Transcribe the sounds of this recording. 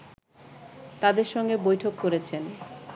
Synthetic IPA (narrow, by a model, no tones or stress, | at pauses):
t̪ad̪eɾʃɔŋɡebojʈʰokːoɾet͡ɕʰen